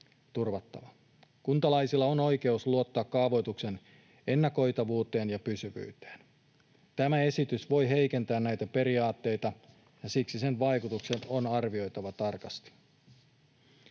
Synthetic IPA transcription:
t̪urʋɑt̪ːɑ̰ʋɑ | kunt̪ɑlɑjsilːɑono̞jke̞usluo̞t̪ːɑːkːɑːʋo̞jt̪ukse̞n | e̞nːɑko̞jt̪ɑʋuːt̪e̞ːnjɑpysyʋy̰ːt̪e̥ːn | t̪æmæe̞sit̪ysʋo̞jɦe̞jke̞nt̪æːnnæjt̪æpe̞ɾiɑːt̪ːe̞jt̪ɑ | jɑsiksise̞nʋɑjkut̪ukse̞nonɑrʋio̞jt̪ɑʋɑt̪ɑrkɑst̪i̥

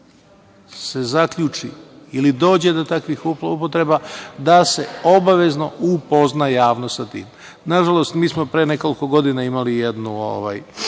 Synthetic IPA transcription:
se̞zakʎuːt͡ʃḭilid̪o̞ːd͡ʑe̞d̪o̞t̪akʋixuupot̪ɾe̞bad̪ase̞o̞baʋe̞zno̞upo̞znajaːʋnosat̪ḭːm | naʒalo̞st̪miːsmo̞pɾene̞ko̞liko̞ɡo̞d̪inaimalijed̪nuo̰ʋa̰j

